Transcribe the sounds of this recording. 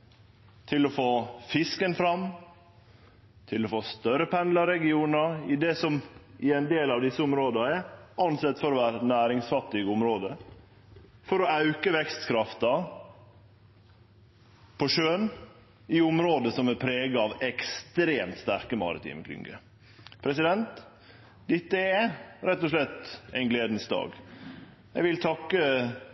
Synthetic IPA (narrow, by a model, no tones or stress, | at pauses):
t̪ʰɪlɔfoːfɪskənfɾɑm | t̪ʰɪlɔfoːst̪œɾəpʰɛnd̪lɑɾɛɡɪuːnɑɪd̪ɛsɔmɪɛɪnd̪eːlɑʋd̪ɪsːəʊmɾoːd̪ɑɛɑnsɛt̪ːfɔɾɔʋæːɾənæːɾɪŋsfɑt̪ːɪɡʊmɾoːd̪ə | fɔɾɔɑʉkəʋɛkst̪kʰɾɑft̪ɑ | pʰɔʂøːn | ɪʊmɾoːd̪əsɔmɛpʰɾeːɡɑɑːʋɛkst̪ɾeːmt̪st̪æɾkəmɑ̰ːɾɪ̰t̪ʰḭːməkʰlʏ̰ŋɡə̰ | pʰɾɛsɪd̪ɛnt̪ | d̪ɪt̪ːəɛɾɛt̪ːɔʂlɛt̪ːɛɪnɡleːd̪n̩sd̪ɑ̰ːɡ | jɛʋɪlt̪ʰɑkːə